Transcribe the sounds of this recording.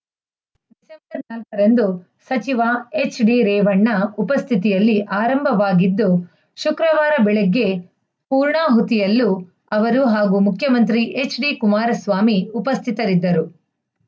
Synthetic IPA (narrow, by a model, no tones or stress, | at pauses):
d̪isembɐɾnɐlkɐɾɐnd̪u | sɐt͡ʃiʋaet͡ʃɖiɾɛːʋɐɳːɐupɐst̪ʰit̪̬ijɐlːiʔaːɾɐmbʱɐʋaːɡid̪ːu | ʃukɾɐʋaːɾɐbɛɭɛɡːe̞ | puːɾɳaːɦut̪ijɐlːu | ɐʋɐɾuɦaːɡumukʰjɐmɐnt̪ɾiʔe̞t͡ʃɖikumaːɾɐsʋaːmiupɐst̪ʰit̪ɐɾid̪ːɐɾu